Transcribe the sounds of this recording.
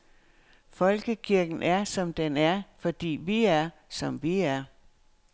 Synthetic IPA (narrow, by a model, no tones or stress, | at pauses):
fɒ̽lɡ̥əkʰiɐɡ̥n̩ʔæɐsɒ̽md̥enæɐfɒ̽d̥ḭːʋiæɐ | sɒ̽mʋiæɐ